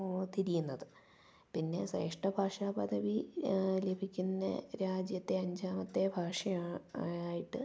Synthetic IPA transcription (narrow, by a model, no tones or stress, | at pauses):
t̪iɾijunːɐðɨ | pinːe̞̰sḛːʂʈɐbʱaːʂaːpɐd̪ʱɐʋile̞bʱikʲːunːɐ̰ɾaːd͡ʑjɐt̪ːe̞ɐɲd͡ʑʱaːmɐt̪ːe̞bʱaːʂɐjaaːjiʈːɨ